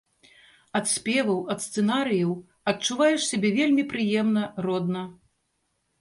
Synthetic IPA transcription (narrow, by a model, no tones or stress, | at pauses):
ɐt̪sʲpʲɛvɐwɐt̪st̪sɛnaɾɨjɐw | ɐtt͡ʂuvajɛʂsʲabʲɛvʲelʲmʲipɾɨjɛmnɐrɔd̪nɐ